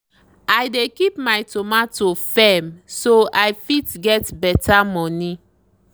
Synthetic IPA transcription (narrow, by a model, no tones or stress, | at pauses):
ajdekipmajtomatofɛmsoajfitɡɛtbɛtʰamɔni